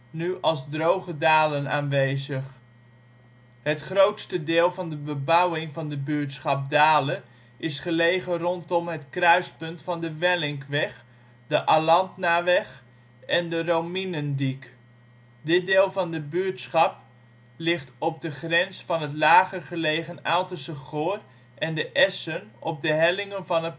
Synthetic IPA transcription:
nyɑlˠzdrowχədaːləna̰ːnʋejzəχ | ɦətχrowtstədɪːlˠvɑndəbəbʌwɪŋvɑndəbyːtsχɑp̚daːlən | ɪsχəlejχərɔntɔmɦətkrœɥspɵntfɑndəʋɛlɪŋkʋɛχ | dəʔalɑntnaʋɛχ | ɛndərowminəndik | dɪt̚dɪːlˠvɑndəbyətsχɑp̚ | lɪχtɔp̚dəχrɛnsfɑnɦətlaːχərχəlejχənalˠtəsəχoːr | ʔɛndəʔɛsənɔp̚dəɦɛlɪŋənvɑnə

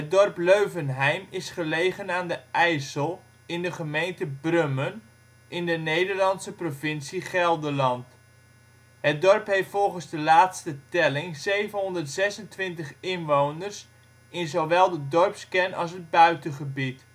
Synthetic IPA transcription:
ɦədɔrpløɥvənɦɛjmɪsχəlejχənaːndəʔɛjsəlˠ | ɪndəχəmejntəbrømən | ʔɪndənejdəɹlɑnsəprovɪnsiχɛlˠdəlɑnt | ɦət̚dɔrpɦeftfɔlˠχənzdəlaːtstətɛlɪŋzejvənɦɔndərtsɛsəntʋɪntəχɪnʋownərs | ɪnzowʋɛlˠdədɔɹpskɛnɑ̰lˠs̬ɦəd̚bœɥtəχəbit

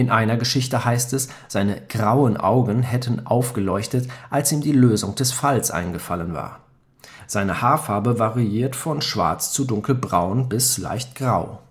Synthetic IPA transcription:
ʔɪnʔaɪnɐɡəʃɪçtəhaɪstɛs | z̥aɪnəɡ̥ʁaʊənʔa̰ʊɡn̩ɦɛtʰn̩ʔa̰ʊfɡ̥əlɔʏçtətʔalsʔiːmdiːløːzʊŋd̥ɛsfalsʔa̰ɪnɡəfa̰lənva̰ːɐ | z̥aɪnəhaːfaɐbəvaʁiiːɐtfɔnʃv̥a̰ɐt͡st͡sudʊŋkl̩bʁaʊnbɪsla̰ɪçtɡ̥ʁaʊ

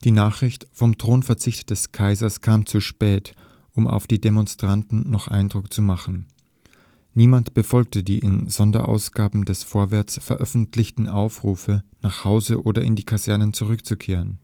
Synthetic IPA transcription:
d̥iːnaːχʁ̥ɪçtfɔmtʁ̥oːnfɛɐt͡sɪçtd̥ɛskʰaɪzɐskʰaːmt͡suʃpɛːt | ʔʊmʔa̰ʊfd̥iːdemɔnstʁ̥antn̩nɔχʔa̰ɪndʁʊkt͡sumaχn̩ | niːmantb̥əfɔlk̚tədiːʔɪnzɔndɐ̰ʔa̰ʊsɡ̥aːbm̩dɛsfoːɐvɛɐt͡sfɛɐʔœfn̩tʰlɪçtn̩ʔaʊfʁ̥uːfənaːχhaʊzəʔoːdɐʔɪ̰ndiːkʰazɛɐnənt͡suʁ̞ʏkt͡sukʰeːʁən

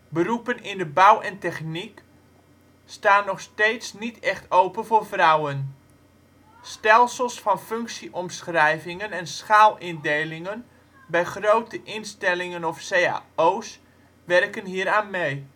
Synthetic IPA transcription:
bərupənɪndəbawɛntɛχnik | staːnːɔxsteːtsnitʰɛxtowpənvoːrvrʌwən | stɛlˠsəlˠsfɑnføŋksiʔɔmsxrɛjvɪŋənɛnsxaːlˠɪndejlɪŋən | bɛjχrowtəʔɪnstɛlɪŋənɔfseːa̰ːoːs | ʋɛrkənɦiːəɾaːnmej

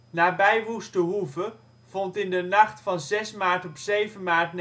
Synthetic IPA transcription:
naːbɛjʋustəɦuvə | v̥ɔntɪndənɑχtfɑnzɛsmaːɹtɔpsejvənmaːɹtn

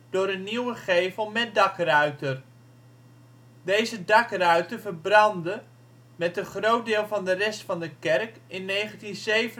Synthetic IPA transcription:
d̥ʊːɾənːiwəχejvəlˠmɛdɑkrœɥtər | dejzədɑkrœɥtəvəɹbrɑndə | mɛtdəχrowt̚dɪːlˠvɑndərɛstfɑndəkɛrkɪnːejχəntinzejvə

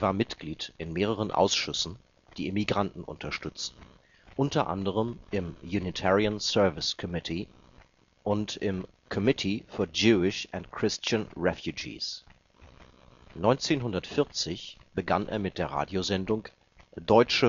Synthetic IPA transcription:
ʔeɐvaːɐmɪtɡ̥liːtʔɪnmeːʁ̞əʁ̞ənʔa̰ʊsʃʏsn̩ | d̥iːemiɡʁantn̩ʔʊ̰ntʰɐʃtʏt͡stn̩ | ʔʊntɐʔa̰ndəʁ̞əmʔɪmjunitʰɛʁiansɜɐvɪskʰɔmɪtʰi | ʔʊntɪm | kʰɔmɪtʰifyːɐd͡ʒuːɪʃʔɛntkʰʁ̥ɪst͡ʃanʁɛfjud͡ʒḭːs | nɔʏnt͡seːnɦʊndɐtfɪɐt͡sɪçb̥əɡanʔḛːɐmɪt̚d̥eːɐʁa̰ːdjozɛndʊŋ | d̥ɔʏt͡ʃə

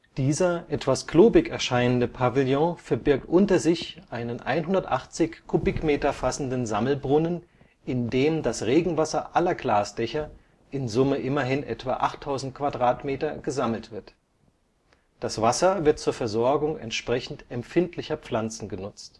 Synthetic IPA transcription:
d̥iːzɐʔɛtv̥askl̥oːbɪkɛɐʃaɪnəndəpʰavɪljɔ̃fɛɐbɪɐk̚tʔʊntɐzɪçʔaɪnənʔa̰ɪnɦʊndɐtʔaχt͡sɪçkʰʊbɪkmeːtɐfasn̩dənzaml̩bʁʊnən | ʔɪndeːmdasʁeːɡŋ̩vasɐʔalɐɡlaːsd̥ɛçɐ | ʔɪnzʊməʔɪmɐɦɪnʔɛ̰tv̥a̰ːʔaχtʰːaʊzn̩t̚kv̥adʁaːtmeːtɐɡ̥əzaml̩tv̥ɪɐt | d̥asv̥asɐvɪɐt̚t͡suːɐfɛɐzɔɐɡʊŋɛ̰ntʃpʁ̥ɛçn̩tɛmfɪntʰlɪçɐp͡flant͡sn̩ɡənʊt͡st

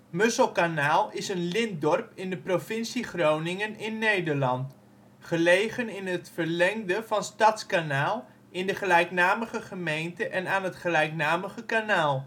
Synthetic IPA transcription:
møsəlˠkanaːlˠɪsənlɪndɔrpɪndəprofɪnsiχrownɪŋənɪnːejdəɹlɑnt | χəlejχənɪnətfərlɛŋdəvɑnstɑtskanaːlˠ | ʔɪndəχəlɛjknaːməχəχəmejntəʔɛnaːnɦətχəlɛjknaːməχəkanaːlˠ

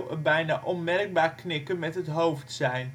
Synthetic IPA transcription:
wəbɛjna̰ːʔɔnmɛrɡ̚baːɹknɪkənmɛtɦətɦowftsɛjn

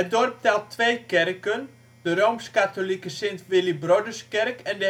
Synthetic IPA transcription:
ət̚dɔrp̚tɛlˠtʰːʋejkɛrkən | d̥ərowmskatolikəsɪntʋɪlibrodəskɛrkɛndə

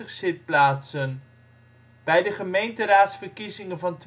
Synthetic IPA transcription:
əχsɪt̚plaːtsən | b̥ɛjdəχəmejntəraːtsfərkizɪŋənvɑnt

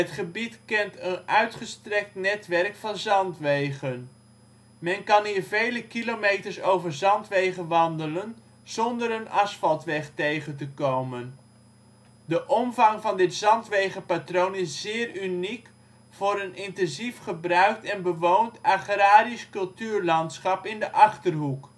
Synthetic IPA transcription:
ɦətχəbitkɛntənœɥtχəstrɛk̚tnɛtʋɛrkfɑnzɑntʋejχən | mɛnkɑnɦiːɹvejləkilomejtəɹsowvəɹzɑntʋejχənʋɑndələn | z̥ɔndəɾənɑsfɑlˠtʋɛχtejχəntəkowmən | dəʔɔmvɑŋvɑndɪtsɑntʋejχəpatrownɪsz̥ɪːrynik | fʊːɾənɪntɛnzifχəbrœɥk̚tɛnbəʋowntaχraːdiskɵlˠtyːrlɑntsχɑpɪndəʔɑχtərɦuk

